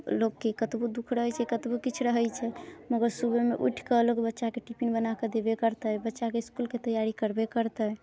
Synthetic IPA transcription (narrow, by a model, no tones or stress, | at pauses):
lokːekət̪bod̪ukʰɾəɦət͡ʃʰɛkət̪bokit͡ʃʰɾəɦəjt͡ʃʰɛməɡəɾsubemeʔṵʈʰkəlokbətːʃakeʈipinbənaked̪ebekəɾt̪əbətːʃakeiskulket̪əjaɾikəɾbekəɾt̪ə